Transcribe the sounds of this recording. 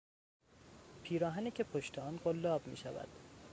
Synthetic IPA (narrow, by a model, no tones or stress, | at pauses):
pʰiːɾɒːɦæniːcʰepʰoʃt̪ʰeɒːnɢolːɒːbmḭːʃævæ̰d̪̥